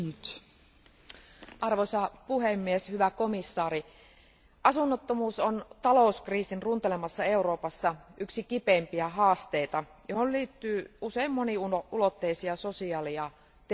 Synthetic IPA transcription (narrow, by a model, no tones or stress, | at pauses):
yt̪ | ʔɑrʋosɑpuhemːieshyʋæko̞misːɑːɾi | ʔɑsunːot̪ːomuːsont̪ɑlo̞uskriːsinrunt̪elemɑsːɑe̞uɾo̞ːpɑsːɑyksikipempiæɦɑːst̪eit̪ɑjoholliːt̪ːyːuseimːoniuulot̪ːeisiɑsosiɑːliɑ | t̪